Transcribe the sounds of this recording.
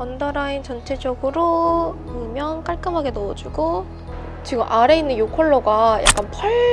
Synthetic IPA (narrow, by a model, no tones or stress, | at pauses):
ʌndaɾaint͡ɕʌnt͡ɕʰe̞d͡ʑʌɡɯɾoɯmjʌŋk͈aɭk͈ɯmɦaɡe̞nʌd͡ʑuɡo | t͡ɕiɡɯmʔaɾe̞inːɯnjokʰʌɭːʌɡaja̰k͈anpʰʌɭ